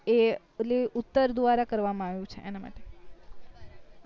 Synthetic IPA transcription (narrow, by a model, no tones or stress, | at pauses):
e | liʊt̪ːəɾd̪ʋaɾakəɾʋamãaʋjũt͡ʃʰeʔenama̰ʈe